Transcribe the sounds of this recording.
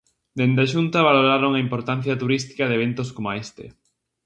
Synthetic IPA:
d̪end̪aʃunt̪ɐβaloɾaɾoŋaimpoɾt̪an̟θjɐt̪uɾist̪i̥kɐðeβent̪oskomoaest̪ḛ

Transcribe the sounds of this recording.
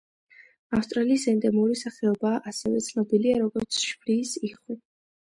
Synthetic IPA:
afst̪ʼɾaliːsɛnd̪ɛmuɾisaχɛɔbaːʔasɛvɛ̰t̪sʰnɔbiliaɾɔɡɔɾt̪sʰʃbliːsiχwi

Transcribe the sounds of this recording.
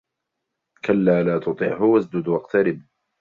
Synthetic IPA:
kalːaːlaːt̪ʊt̪ˤɨ̰ʕhʊwazd͡ʒʊd̪wɑqt̪ʰaɾɪb̚

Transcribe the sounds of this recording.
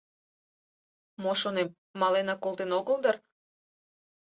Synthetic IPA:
moʃonem | mɑlenɑkolˠt̪enoɣəld̪ər

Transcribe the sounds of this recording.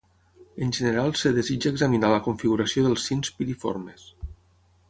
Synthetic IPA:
ənʲʒənəɾalˠsəðezid͡ʒaːɡzaminaləkuɱfiɣuɾasioðəlˠsːinspiɾifo̰ɾmes

